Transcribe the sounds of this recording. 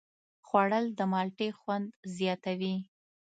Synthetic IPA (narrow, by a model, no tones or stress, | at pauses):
xwaɽəld̪əmɑlʈexwand̪zjɑt̪awi